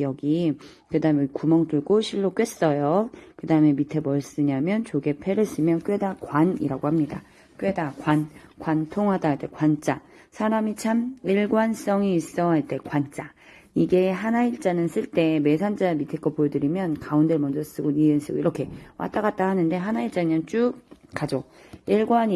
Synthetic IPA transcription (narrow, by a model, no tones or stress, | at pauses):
iʌɡi | kɯdaɯmekumʌŋtuɭɡoɕʰiɭːok͈ɥwe̞s͈ʌjokɯdaɯme̞mitʰebʌɭs͈ɯɲamjʌnt͡ɕoɡe̞pʰeɾɯs͈ɯmjʌnk͈ɥe̞dakwanḭɾaɡohamɲida̰ | k͈ɥe̞dakwankwantʰoŋɦadait͈e̞kwant͡ɕ͈a | sʰaɾamit͡ɕʰamiɭɡwans͈ʌŋiːs͈ʌaɭt͈e̞kwant͡ɕ͈a | iɡe̞ɦanaiɭt͡ɕ͈anɯns͈ɯɭt͈e̞me̞s̬ʰand͡ʑ͈amitʰek͈ʌpojedɯɾimjʌnkaundɯɭmʌnd͡ʑʌs͈ɯɡoniens͈ɯɡoiɾʌkʰe̞wʔa̰t͈aɡat̚t͈ahanɯnde̞ɦanaiɭt͡ɕ͈aɲʌnt͡ɕ͈ukad͡ʑo | iɭɡwaɲi